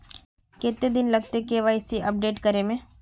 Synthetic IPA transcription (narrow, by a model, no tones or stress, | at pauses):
keːt̪ed̪ɪnlɐɡ̚t̪ekeʋaːɪsiʔɐp̚ɖeːʈkɐɾemẽː